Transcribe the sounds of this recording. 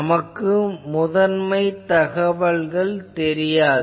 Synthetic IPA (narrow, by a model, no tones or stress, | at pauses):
mɐkːɯmʊðɐnmɐɪt̪ɐɣɐʋɐɭɣɐɭt̪ɛɾɪjaːð